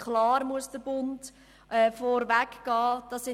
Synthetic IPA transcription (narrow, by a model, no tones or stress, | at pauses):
χlɑːɾmuəsd̥əbʊnt | ʔɛfɔɾvækɡ̥ɑːd̥ɑsɪ